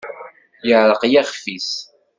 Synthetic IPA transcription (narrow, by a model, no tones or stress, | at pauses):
jəʕɾəqjæχfis